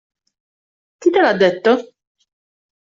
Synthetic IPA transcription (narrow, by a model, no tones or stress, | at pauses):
kit̪elad̪ːet̪ːo